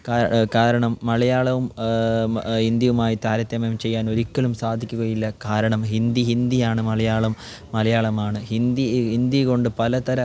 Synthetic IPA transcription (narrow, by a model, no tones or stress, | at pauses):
kaːɾkaːɾɐɳɐmːɐlɐjaːɭɐʋum | hind̪jɐʋumaːjit̪aːɾɐt̪ːjɐmɐmt͡ɕe̞jːaːno̞ɾikʲːɐɭumsaːd̪ʱikʲːuɣɐjilːɐkaːɾɐɳɐmɦind̪iɦind̪ijaːɳɨmɐɭɐjaːɭɐmː | ɐlɐjaːɭɐmaːɳɨhind̪iind̪iko̞ɳɖɨpɐlɐt̪ɐɾɐ